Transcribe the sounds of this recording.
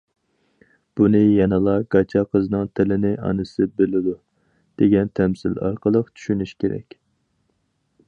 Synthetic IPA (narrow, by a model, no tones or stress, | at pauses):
b̥unɨjɑnɨlˠɑɡ̥ɑt͡ʃʰɑqʰəznɨŋt̪ʰɪlɪnɪʔɑ̰nɨsɨbɪlɪd̪u | d̪̥eɡʲɛnt̪ʰɛmsɪlɑ̰ɾqʰəlˠəqt͡ʃ̪ʰy̥ʃynyʃkʲeɾɛ̰kʲ